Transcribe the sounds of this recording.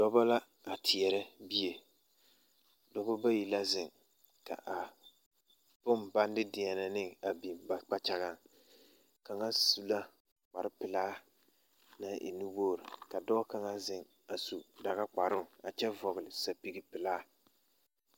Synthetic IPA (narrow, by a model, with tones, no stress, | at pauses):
d̥ɔ˦ba˦la˦ | a˨tʰɪ˨ɛ˨ɾɛ˦bi˦je˨ | dɔ˦bɔ˦ba˦ji˨la˦zɪ˨ŋ | ka̰˨ʔa˨ | pʊ˦mba˦n˦dɪ˦dɪ˨ɛ˨na˨nɪ˦a˨bi˨mba˨k͡pa˦t͡ʃa˦ɣa˦˨ | ka˨ŋa˦su˨la˦ | k͡pa˨ɾɪ˦pɪ˨laː˦ | na˦ʔḭ˨nu˦woː˦˨ɾɪ˨ka˨dɔ˦ka˨ŋa˦zɪ˨ŋ | a˨su˨da˨ɣa˦k͡pa˨ɾʊ˦˨a˨t͡ʃɛ˦vɔ˨ɣɪ˨lɪ˨sa˨pi˨ɡi˦pɪ˨laː˦